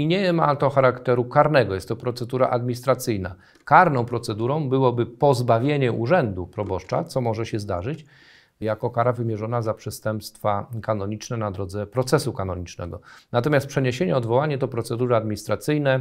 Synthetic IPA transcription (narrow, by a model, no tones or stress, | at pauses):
iɲɛmat̪ɔxaɾakt̪ɛɾukaɾnɛɡɔjɛst̪ːɔpɾɔt̪sɛd̪uɾa̰ʔad̪mʲiɲist̪ɾat̪sɘjna̰ | kaɾnɔ̃w̃pɾɔt̪sɛd̪uɾɔ̃w̃bɘwɔbɘpɔzbavʲjeɲɛuʐɛnd̪upɾɔbɔʂt͡ʂa̰t̪sɔmɔʐɛɕɛzd̪aʐɘt͡ɕ | jakɔkaɾavɘmʲjɛʐɔnazapʂɛst̪ɛmpst̪fakanɔɲit͡ʂnɛnad̪ɾɔd̪zɛpɾɔt̪sɛsukanɔɲit͡ʂnɛ̰ɡɔnat̪ɔmʲast̪pʂɛɲeɕeɲɛɔd̪vɔwaɲɛt̪ɔpɾɔt̪sɛd̪uɾɛad̪mʲiɲist̪ɾat̪sɘjnɛ